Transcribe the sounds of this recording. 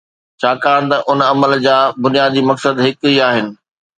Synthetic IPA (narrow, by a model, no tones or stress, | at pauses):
t͡ɕʰaːkaːɽ̃t̪ɐʔʊnɐməld͡ʑaːbʊnijaːd̪imɐksəd̪ɦɪkiaːɦɪnɪ̆